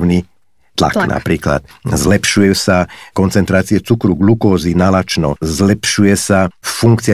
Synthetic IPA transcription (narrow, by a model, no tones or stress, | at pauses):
ni | t̪la̰kna̰pɾiːkla̰t̪̚zlɛpʃujɛsakɔnt͡sɛnt̪ɾaːt͡siɛt͡sukɾuɡlukɔːzinalat͡ʃnɔ̰zlɛpʃujɛsafuŋkt͡siɪa